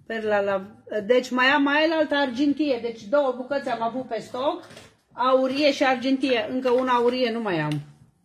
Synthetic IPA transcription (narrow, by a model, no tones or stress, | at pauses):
perlalad̪et͡ʃʲmajamːaelalt̪əːrd͡ʒent̪ijed̪e̞t͡ʃʲd̪o̞wəbukət̪sʲamavut̪̚pe̞st̪ok | auɾijeʃiard͡ʒent̪ijeʔɨŋkəunaːuɾije̞numajam